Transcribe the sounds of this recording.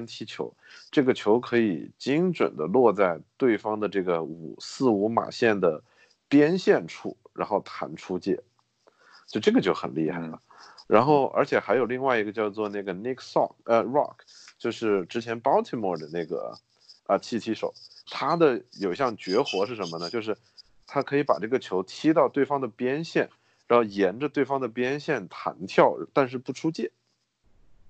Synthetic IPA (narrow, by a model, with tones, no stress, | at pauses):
nt͡ɕʰi˧˥t͡ɕʰjo̰˧˥ʊʈ͡ʂɤ˥˩ɡə˩t͡ɕʰjo˧˥ʊkʰɤ˧˥i˨˩t͡ɕi˥ŋʈ͡ʂwə̰˨˩nd̪ə̰˦lwɔ˥˧t͡sa˥˧ɪt̪we˥˩ɪfɑ˥ŋd̪ə˨ʈ͡ʂɤ˥˩ɡə˩ṵ˨˩sɹ̩˥˩u˧˥ma̰˨˩ɕjɛ˥˩nd̪ə˩ | pjɛ˥nɕjɛ˥˩nʈ͡ʂʰṵ˥ɻa̰˧˥nxo˥˩ʊt̪ʰa̰˧˥nʈ͡ʂʰu˥t͡ɕjɛ̰˥˩ | t͡ɕjo˥˧ʊʈ͡ʂɤ˥˩ɡə˩t͡ɕjo˥˩ʊxə̰˨˩nli˥˧xa˥˩ɪlə˩ɻa˧˥nxo˥˩ʊʔə̰˞˧˥t͡ɕʰjɛ˨˩xa˧˥ɪjo˨˩ʊli˥˧ŋwa˥˩ɪi˧˥ɡə˧t͡ɕjɑ˥˧ʊt͡swɔ˥˧na˥˩ɡə˩ni˥kʰsɑ̰˥˩kə˧ɹɑ̰˥˩kʰt͡ɕjo˥˧ʊʂɻ̩˥˩ʈ͡ʂɻ̩˧˥t͡ɕʰjɛ˧˥npɑ˥ʊt̪ʰi˥˧mwɔ˥˩d̪ə˩na˥˩ɡə̰˩ | ə˧˩t͡ɕʰi˥˩t̪ʰi˧˥ʂo̰˨˩˦ʊt̪ʰa˥d̪ə˨jo˨˩ɕjɑ˥˩ŋt͡ɕɥɛ˧˥xwɔ˧˥ʂɻ̩˥˩ʂə˧˥nmə˧nə˩t͡ɕjo˥˧ʊʂ̬ɻ̩˥˩ | t̪ʰa˥kʰɤ˧˥i˧˥pa̰˨˩ʈ͡ʂɤ˥˩ɡə˩t͡ɕʰjo˧˥ʊt̪ʰi˥t̪ɑ˥˧ʊt̪we˥˩ɪfɑ˥ŋd̪ə˨pjɛ˥nɕjɛ˥˩n | ɻa˧˥nxo˥˩jɛ˧˥nʈ͡ʂə˧t̪we˥˩ɪfɑ˥ŋd̪ə˨pjɛ˥nɕjɛ˥˩nt̪ʰa̰˧˥nt̪ʰjɑ˥˩ʊ˧t̪a˥˧nʂ̬ɻ̩˥˧pu˥˩ʈ͡ʂʰu˥t͡ɕjɛ˥˩